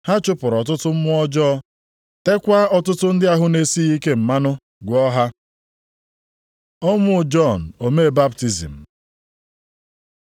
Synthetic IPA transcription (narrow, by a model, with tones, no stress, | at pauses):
ha˦t͡ʃʊ˦pʊ˨ɾɔ˨t̬ʊ˦tʊ˦m̩˦mʊ˦ɔ˦d͡ʒɔ˦ | te˦kʷa˦ɔ˦tʊ˦tʊ˦n̩˦dɪ˦a˨ɦʊ˦ne˨si˦i˦ke˦m̩˨ma˦nʊ˦ | ɡʷɔ˦ɦa˦ | ɔ˦mʊ˦˨d͡ʒɔ˦˨n̩˨o˨me˦˨ba˦pti˨zḭ˨m̩˨